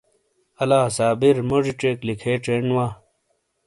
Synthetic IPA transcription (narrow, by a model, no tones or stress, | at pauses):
ɐlaːsaːbiɾmod͡ʑiʈ͡ʂeklikʰeːʈ͡ʂeɳwaː